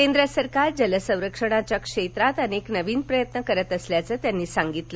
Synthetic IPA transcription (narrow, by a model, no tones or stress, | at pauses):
kend̪ɾəsəɾkaɾd͡ʑələsə̃w̃ɾəkʂəɽ̃at͡ɕjakʂet̪ɾat̪əneknəʋiːnpɾəjət̪nəkəɾət̪əsljat͡səːt̪janːiːsaŋɡit̪lə